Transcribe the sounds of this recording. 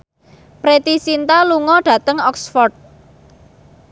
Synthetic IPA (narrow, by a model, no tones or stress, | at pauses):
pɾet̪isint̪aluŋɔɖ̥ä̤t̪əŋɔksfɔrd̪̚